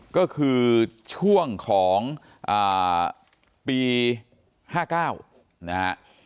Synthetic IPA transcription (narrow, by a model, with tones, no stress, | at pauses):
kɔː˥˩kʰɯː˧t͡ɕʰu˥˩əŋkʰɔː˩˦ŋ | ʔaː˨˩ | piː˧ | haː˥˩kaː˥˩w | na˦˥ha̰˦˥ʔ